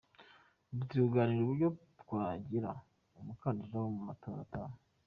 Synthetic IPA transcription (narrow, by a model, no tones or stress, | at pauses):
butiuɡaniɾuβuɾɟo | tkwaːɟiɾa̰ | umukaːndazawomumato̞ːɾa̰taːwe